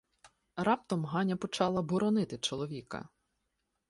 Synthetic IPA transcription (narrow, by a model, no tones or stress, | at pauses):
rɑp̚t̪ɔmɦɑnʲɐpɔt͡ʃɑlˠɐbʊɾɔnɪt̪ɪt͡ʃɔlˠɔʋʲikɐ̰